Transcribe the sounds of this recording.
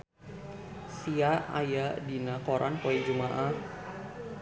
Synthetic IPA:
siaa̰jadinakoɾʔa̰npoid͡ʒumaʔah

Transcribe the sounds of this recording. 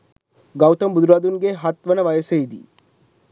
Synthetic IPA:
ɡɐwt̪ɐmbud̪ɾaːd̪unɡeɦɐt̪ʋɐnɐʋɐjəseid̪ḭ

